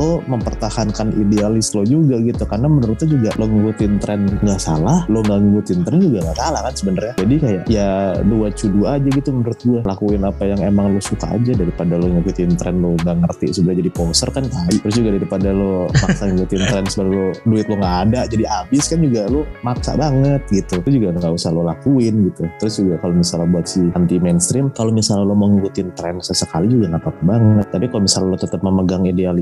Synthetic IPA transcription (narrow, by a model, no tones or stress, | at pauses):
loməmpərt̪ahankanḭdealɪslod͡ʒuɡaɡit̪ukarnamənəɾʊt̪ud͡ʒuɡaʔloŋibut̪ɪnt̪ɾʔɛnŋɡaʔsalahloŋɡaŋibʊt̪ɪnt̪ɾɛnd͡ʒuɡaŋakalahkansəbənarɲad͡ʒadikajaʔjaduat͡ʃuduad͡ʒaɡit̪umənəɾʊt̪̚ɡualakuɪnapajaŋemaŋlosuka̰ːd͡ʒadaɾipadaloŋibut̪ɪnt̪ɾɛ̰nloŋɡaʔŋərt̪ḭsəbənad͡ʒadiposərkankaɪʔt̪əɾʊs̬d͡ʒuɡadaɾipadalomaksaŋikut̪ɪnt̪ɾɛnsəballoduɪt̪̚loŋɡaʔːdad͡ʒadiabɪskand͡ʒuɡalomaksa̰ʔbaŋət̪̚ɡit̪usd͡ʒuɡaŋɡaʔusalolakuɪnɡit̪ut̪əɾʊsd͡ʒuɡakalomisalabuat̪̚siant̪imanst̪ɾɪmkalomisalaloməŋikut̪nt̪ɾɛnsəsəkalid͡ʒuɡaŋapapəbaŋət̪ːapikalomisalalot̪ət̪əp̚məməɡaŋideal